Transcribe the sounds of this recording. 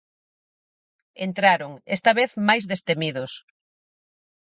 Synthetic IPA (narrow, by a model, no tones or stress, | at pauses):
ent̪ɾaɾoŋḛst̪aβeθmajzðest̪emiðʊs